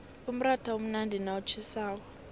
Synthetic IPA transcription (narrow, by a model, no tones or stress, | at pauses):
um̩ratʰaom̩nandʱinaut͡ʃʰisaːk̬ɔ